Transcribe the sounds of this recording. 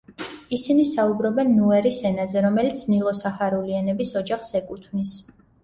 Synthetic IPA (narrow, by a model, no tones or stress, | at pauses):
isinisaubɾɔbɛnːuɛɾisɛnazɛɾɔmɛlit̪sʰnilˠɔsaχaɾulianɛbisɔd͡ʒaχsɛkʼut̪ʰvnis